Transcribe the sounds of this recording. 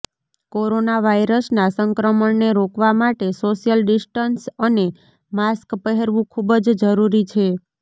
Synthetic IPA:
koɾonaʋajɾəsnasəŋkɾəməɳneɾokʋamaʈesoʃijəlɖɪsʈənsəne | maskpəɦeɾʋũkʰubd͡ʒd͡ʒəɾuɾit͡ʃʰe

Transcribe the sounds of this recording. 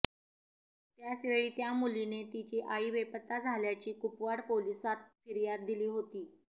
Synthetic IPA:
t̪jat͡sʋeɭiːt̪jamulinet̪it͡ɕiːʔaiʋepət̪ːad͡zʱaljat͡ɕiːkupʋaɽpolisat̪̚fiɾjad̪̚d̪ːiliːɦot̪iː

